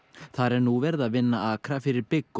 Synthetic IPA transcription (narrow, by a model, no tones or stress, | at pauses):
θaɾɛɾnuvɛɾðaðvɪnːaaːkɾafɪɾɪɾpɪkː